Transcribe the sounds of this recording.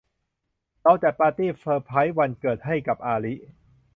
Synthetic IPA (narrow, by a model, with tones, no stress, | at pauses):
lɔ˧wt͡ɕ̪ɛː˨˩paː˧t̪iː˥˩fʰɤː˧pʰa˦˥jwa˧nkɤː˨˩t̪̚ɦa˥˩jka˨˩p̚ʔaː˧li˦˥ʔ